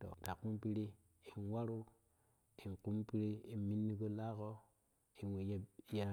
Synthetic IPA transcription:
to̰˨ta˨ku˦mpi˦ɾi˦ | i˨nwa˦ɾu˦ | i˨ŋku˦mpi˦ɾi˦i˨mi˦nːi˦ko˦la˦ko˦ | i˨wje˦ja˦

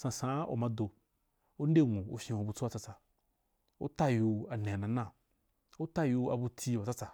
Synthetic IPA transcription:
sã˨sã˨˦o̰˨mã˨˧do˨ | o˦n̩˦de˦˨ŋu˨o̰˨fʲĩ˨ho˨bu˨˧t͡su˦a˦t͡sa˧t͡sa˨ | o̰˦ta˦ju˧a˨nẽ˨a˨nã˨nã˦˨ | o˦ta˦ju˧a̰˨bu˧tʰʲi˧˨o˨t͡sa˦t͡sa˨

